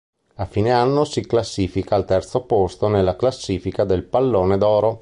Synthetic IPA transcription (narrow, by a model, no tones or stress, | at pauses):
afːiːneanːosiklasːiːfikaːlt̪ɛrt̪sopost̪onelːaklasːiːfikad̪elpalːoːned̪ɔːɾo